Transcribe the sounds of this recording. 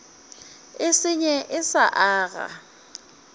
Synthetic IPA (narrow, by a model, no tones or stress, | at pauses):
ɪsɪɲɛʔɪsaʔaːɣa̰